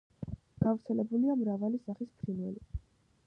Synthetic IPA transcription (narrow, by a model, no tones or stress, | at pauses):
ɡ̥avɾt̪sʰɛlɛbuliamɾavalisaχispʰɾinwɛ̰li